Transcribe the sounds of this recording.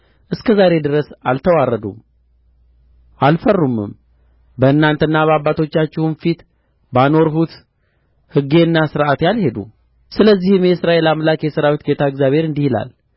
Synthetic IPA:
ʔɨskʰəzaɾe̞d̪ɨɾəsalt̪ʰəwarːəd̪ṵm | ʔalfərːumːɨ̰m | bəɨnːant̪ʰəɨnːaβəaβːat̪ʰo̞t͡ʃːat͡ʃːɪhunfit̪ | bano̞ɾɦut̪ | hɨɡe̞ɨnːasɨɾʔat̪jalhe̞d̪ṵ | sɨləzːihɨmjɛsɨɾaʔe̞lamlakjɛsɨɾawit̪ɡe̞t̪ʰaɨɡzjaβʱhe̞ɾɨnd̪ihila̰l

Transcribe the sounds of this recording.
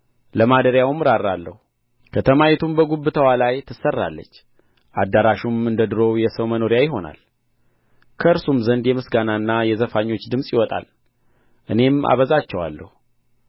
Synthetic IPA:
ləmad̪əɾjawmːɨɾaɾːalːə̰hu | kʰət̪ʰəmajɛt̪ʰumbəɡubːɨt̪ʰəwalajt̪ʰɨsːərːa̰lːə̰t͡ʃː | ʔad̪ːaɾaʃumɨnd̪əd̪ɨɾo̞wjɛsəwməno̞ɾijajɪɦo̞na̰l | kʰəɨɾsumzənd̪jɛmɨsɡanaɨnːajɛzəfaɲːo̞t͡ʃːd̪ɨmsʼjɪwɔt̪ʼa̰l | ʔɨne̞ma̰βəzat͡ʃːɛwa̰lːə̰hu

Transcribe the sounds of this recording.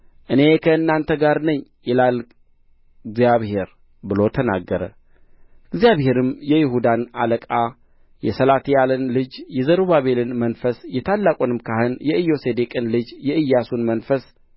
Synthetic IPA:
ʔɨne̞kʰəɨnːant̪ʰəɡaɾnəɲːjɛlal | ɡzjaβhe̞ɾ | bɨlo̞t̪ʰəna̰ɡːəɾə̰ | ɨɡzijaβhe̞ɾɨmjɛjɪɦud̪analəkʼa | jɛsəlat̪ʰijalɨnlɨd͡ʒjɛzəɾuβaβe̞lɨnmənfəsjɛt̪ʰalːakʼonɨmkʰahɨnjɛʔɨjːo̞sed̪ekʼɨnlɨd͡ʒjɛɨjːasunmənfəs

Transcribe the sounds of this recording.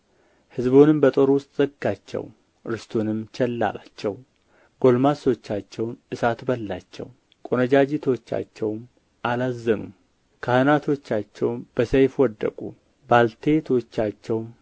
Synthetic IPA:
hɨzbonɨmbət̪ʼo̞ɾwʊst̪ʼz̥əɡat͡ʃːɛ̰w | ʔɾɨst̪ʰonɨmt͡ʃʰɛlːa̰la̰t͡ʃːɛw | ɡ̥o̞lmaso̞t͡ʃːat͡ʃːɛwnʔɨsat̪bəlːat͡ʃːɛ̰w | kʼonəd͡ʒad͡ʒit̪ʰo̞t͡ʃːa̰t͡ʃːɛwm | ʔalazːənṵm | kʰahɨnat̪ʰo̞t͡ʃːat͡ʃːɛwmb̥əsejfwɔd̪ːə̰kʼṵ | balt̪ʰe̞t̪ʰot͡ʃːat͡ʃːɛwm

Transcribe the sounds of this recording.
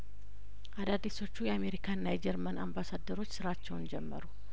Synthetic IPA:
ʔad̪ad̪ːiso̞t͡ʃːujɛame̞ɾikʰaɨnːajɛd͡ʒɛɾmənambasad̪ːəɾo̞t͡ʃːsɨɾat͡ʃːɛwnd͡ʒɛmːə̰ɾu

